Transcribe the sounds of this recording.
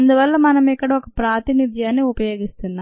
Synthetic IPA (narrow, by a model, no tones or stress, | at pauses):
ɐnd̪uʋɐlːɐmɐnɐmɛkːɐɽɐɔkɐpɾaːt̪init̪jaːnːiupɐjoːɡist̪unːa